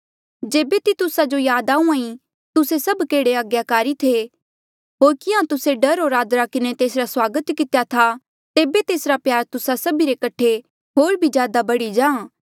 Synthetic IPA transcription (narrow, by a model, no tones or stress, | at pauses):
d͡ʒeːbet̪it̪ʊsad͡ʒojaːd̪aːũãːĩ | t̪ʊsesɐbkeːɽeaɡjakaːɾit̪ʰe | ɦoːɾkɪãt̪ʊseɖɐɾɦoːɾaːd̪ɾakɪnet̪eːsɾaswaːɡət̪kɪt̪ejat̪ʰa | t̪eːbet̪eːsɾapjaːɾt̪ʊsasɐbiɾekɐʈʰe | ɦoːɾbʱid͡ʒjaːd̪abɐɽid͡ʒãː